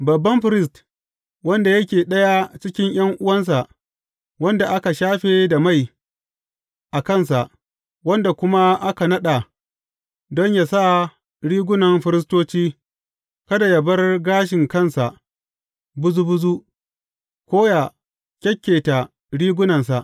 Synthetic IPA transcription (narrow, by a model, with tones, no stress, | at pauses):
bɐ˨bːɐ˦mɸɪ˦ɾɪ˦st | wɐ˦nda˨jɐ˦kʲeː˨ɗɐ˦ja˦t͡ʃɪ˦kʲɪ˦ɲj̰ɐ˦ŋʔʊ˦wɐ˦ns̬a˨ʔ | wɐ˦nda˨ʔa˦ka˨ʃaː˦ɸeː˨da˨ma˦˨j | ʔa˨kɐ˦˨nsa˨ʔ | wɐ˦nda˨kʷʊ˦ma˦ʔa˦ka˨nɐ˦ɗa˨ | dɔ˦ɲja˨sa˦˨ | ɽiː˦ɡʷʊ˦nɐ˨mɸɪ˦ɾɪ˦s̬toː˦t͡ʃiː˦ | kɐ˦da˨jɐ˨bɐ˦rɡaː˦ʃ̬ɪ˨ŋkɐ˦nsa˨ʔ | bʊ˦zu˦bʊ˦zu˦ | kʷoː˦ja˨ | kʲɛ˦kʲːeː˨ta˨ | ɽiː˦ɡʷʊ˦nɐ˨ns̬a˨ʔ